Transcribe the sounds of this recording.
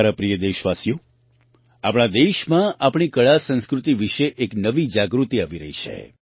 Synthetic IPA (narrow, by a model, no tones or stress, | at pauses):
ɾapɾijəd̪eʃʋasjo | apɳ̃ad̪eʃmãʔapɳ̃ikəɭasə̃ñskɾut̪iʋiʃeʔeknəʋid͡ʒaɡɾut̪iaʋiɾəɦit͡ʃʰḛ